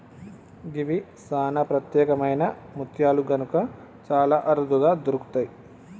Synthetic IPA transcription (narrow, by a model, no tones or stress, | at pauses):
ɡiʋisaːnɐpɾɐt̪jɛːkɐmɐjnɐmut̪ʰjaːluɡɐnukɐ | t͡ʃaːlaːʔɐɾud̪ʱuɡaːd̪oɾuku̥t̪aːji